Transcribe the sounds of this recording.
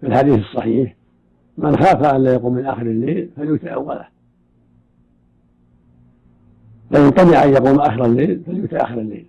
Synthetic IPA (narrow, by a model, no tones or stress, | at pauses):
fɪlħad̪iːθɨsˤːɑħiːħ | mɪnxaːfaʔanlaːjaquːmːɪnʔaxɪɾɪlːeːlfaljʊt̪aʔa̰wːala̰ | lajʊnt̪ˤɑnɪʕʔanjɑquːmʔaxɪɾalːeːlfaljʊt̪aʔa̰xɪɾalːḛːl